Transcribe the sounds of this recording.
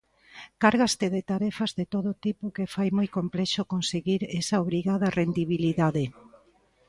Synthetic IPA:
kaɾɣast̪eðet̪aɾɛfazðet̪oðot̪ipʊkefajmojkomplɛʃokonseɣiɾɛsaoβɾiɣaðɐrʔend̪iβiliðaðe

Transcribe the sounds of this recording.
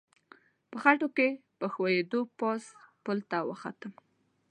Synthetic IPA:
pəxaʈokepəxwajed̪opɑspəlt̪awə̰xa̰t̪əm

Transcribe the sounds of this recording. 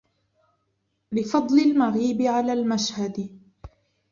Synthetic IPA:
lɪfɑd̪ˤlɪlmaɣiːbɪʕalaːlmaʃhad̪

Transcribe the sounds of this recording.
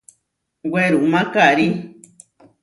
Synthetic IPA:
weɾuʔmãkaɾi

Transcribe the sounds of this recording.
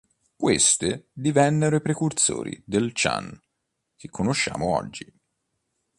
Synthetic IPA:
kwest̪ed̪ivɛnːeɾoipɾekurso̰ːɾḭd̪elt͡ʃa̰n | kekʰːonoʃːa̰ːmoɔ̰d͡ʒːi

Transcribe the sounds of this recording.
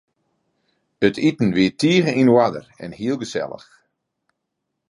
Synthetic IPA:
ətʰitn̩ʋiətːiəɣəʔinwadə̰rɛ̰nhiəlˠɡəsɛ̰lˠə̰x

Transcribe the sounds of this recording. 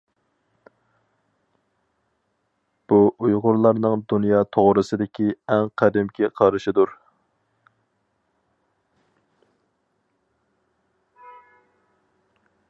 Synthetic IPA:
b̥uʔujʁʊɾlˠɑɾnɨŋd̪unjɑːt̪ʰoʁɾɨsɨd̪ɪkʲʰiɛŋqʰæd̪ɪmkʲʰiqʰɑɾɨʃɪd̪uɾ

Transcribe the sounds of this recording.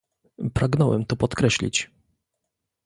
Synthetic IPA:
pɾaɡnɔwɛ̰mt̪ɔpɔt̪kɾɛɕlʲḭt͡ɕ

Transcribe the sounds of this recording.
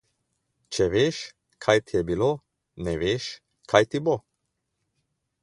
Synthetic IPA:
t͡ʃɛʋeːʃ | kʰajt̪ijɛbiloː | nɛʋeːʃ | kʰajt̪ibo

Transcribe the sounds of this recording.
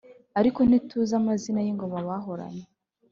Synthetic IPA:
aɾiko̞n̥ituzamazinajiŋɡo̞maβaɦo̞ɾa̰ɲe

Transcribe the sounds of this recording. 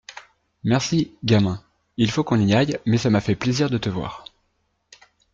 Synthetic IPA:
mɛʁsiɡʲamɛ̃ | ilfokɔ̃niajmɛsamafɛpleziʁd̪ət̪əvwa̰ːʁ

